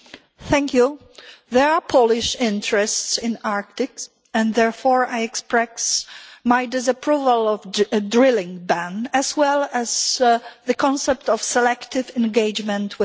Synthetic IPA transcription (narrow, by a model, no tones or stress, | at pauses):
θɛ̃ŋkʰju | ðɛɹapʰolɪʃɪ̃ntɹɛstsɪ̃naɹk̚t̪ɪks | ɛ̃nd̪ðɛɹfɔɹajɛkspɹɛksmajdɪs̬apɹuvalɔvdɹɪlĩŋbæ̃næswɛlæzðɨkɔ̃nsɛp̚t̪ɔfsɛlɛkt̪ɪvɛ̃nɡeɪd͡ʒmɛ̃nt̪ʰwɪ